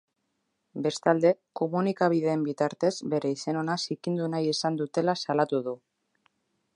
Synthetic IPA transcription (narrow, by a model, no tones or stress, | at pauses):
be̞st̪ald̪e̞ko̞munikaβ̞iðe̞ːmbit̪aɾt̪e̞z̥be̞ɾe̞ise̞no̞nasikind̪unajesand̪ut̪e̞lasalat̪uð̞u